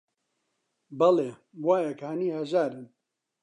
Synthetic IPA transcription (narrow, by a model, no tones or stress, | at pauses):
bɐleː | waːjɐkhaːniːhɐʒaːɾɨn